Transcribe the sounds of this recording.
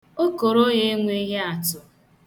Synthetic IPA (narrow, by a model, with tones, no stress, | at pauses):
o˦ko˨ɾo˦je˦ŋʷe˦ɦe˦a˨tʊ˨